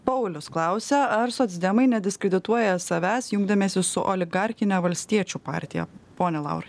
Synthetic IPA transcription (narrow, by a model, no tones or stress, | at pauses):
pɐʊlʲʊsklˠɑˑʊsʲɛɐɾsoːt̪sʲd̪ʲɛmɐɪnʲɛd̪ʲɪskʲɾʲɛd̪ʲɪt̪uɔjɛsɐʋʲæːsjʊŋɡd̪ʲɐmʲeːsʲɪsʊʔɔlʲɪɡɑɾʲxʲɪnʲɛʋɐlʲsʲt̪ʲiɛt͡ʃʲuːpɑ̰ːɾʲt̪ʲɪjɛ̰poːnʲɛlˠɑ̰ʊɾɐɪ